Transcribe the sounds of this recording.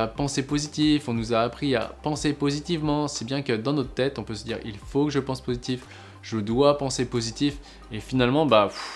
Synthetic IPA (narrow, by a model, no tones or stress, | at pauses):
apɑ̃sepozit̪ifɔ̃nuzaːpχia̰pɑ̃sepozit̪ivmɑ̃sibjɛ̃kəd̪ɑ̃nɔt̪χət̪ɛt̪ɔ̃pøsəd̪ḭʁḭlfokəʒəpɑ̃spozit̪if | ʒ̥əd̪wapɑ̃sepozit̪if | efinalmɑ̃ba